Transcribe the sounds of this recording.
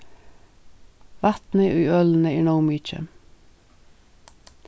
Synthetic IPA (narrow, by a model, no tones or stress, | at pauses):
ʋɑt̪n̩əʔʉːœln̩əiɳoʊmiːt͡ʃə̰